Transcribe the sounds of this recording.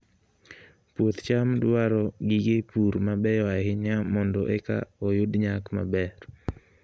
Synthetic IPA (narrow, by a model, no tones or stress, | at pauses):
pwot̪t͡ʃamdwaɾɔɡiɡepuɾmabɛjɔahɪɲamɔndɔʔɛka̰ojʊdɲakma̰bɛr